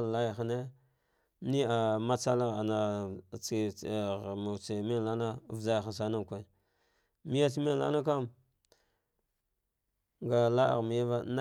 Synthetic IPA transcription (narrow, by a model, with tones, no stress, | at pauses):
a˦ja˨xa˨ne˦ | ni˦a˨ma˦t͡sa˦la˦a˨na˨t͡si˨ | ma˨t͡se˨mi˦n˨la˦na˦˨vza˦jxa˨s̬a˦na˦m˨kʷa˨ | mi˦ja˦t͡si˦mi˦n˨la̰˦na˦k̬a˦m | ŋɡa˨la˦a̰˨ɣmi˨ja˦va˦na˦